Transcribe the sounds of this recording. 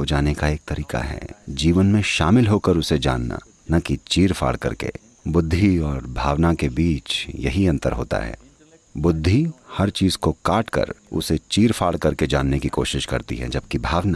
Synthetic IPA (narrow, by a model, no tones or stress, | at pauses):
od͡ʒaːnekaeːk̚t̪ɐɾiːka̰ɦɛ̰ːd͡ʒiːʋənmẽʃaːmɪlɦokəɾʊsed͡ʒa̰ːnːa̰ | nɐkit͡ʃiːɾfʰa̰ːɭkɐ̰ɾkḛ | bʊd̪ʱːiɔːɾbʱaːʋnakebiːt͡ʃjɐɦiɐ̃nt̪ə̰ɾɦo̰ːt̪a̰ɦɛ̰ː | bʊd̪ʱːihɐɾt͡ʃiːzkokaːʈkə̰ɾʊ̰set͡ʃiːɾfʰaːɭkɐɾked͡ʒaːnːekikoːʃɪʃkɐ̰ɾt̪ḭɦɛ̰d͡ʒɐb̚kibʱaːʋna